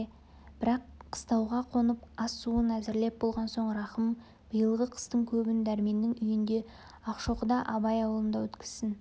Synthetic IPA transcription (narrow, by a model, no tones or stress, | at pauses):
b̥ɪɾɑqːʰə̥st̪ɑwʁɑqʰo̞nəpɑsuənæzɪɾle̞p̚bo̞lˠʁɑnso̞ɴɾɑχəm | b̥əjəlˠʁəqʰə̥st̪əɴkʲʰɵbɪnd̪æɾme̞nːɪŋʏjɪnd̪e̞ | ɑqʃo̞qəd̪ɑʔɑbɑjɑwlˠəmd̪ɑwɵt̪kʲɪ̥z̥sɪn